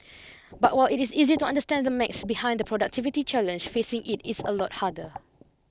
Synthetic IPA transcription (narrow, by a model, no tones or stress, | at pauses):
bat̚waɪlɪtisizituãndəstɛ̃ndəmɛksbihãɪ̃ndəpɹɔdak̚tʰivitit͡ʃɛlə̃nd͡ʒfesɪ̃ŋʔɪtɪsə̰lɔt̚hadə